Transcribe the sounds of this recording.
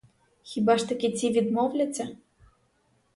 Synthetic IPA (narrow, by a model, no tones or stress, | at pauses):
xʲibaʂt̪ɐkʲit͡sʲivʲid̪mɔwlʲɐt͡sʲɐ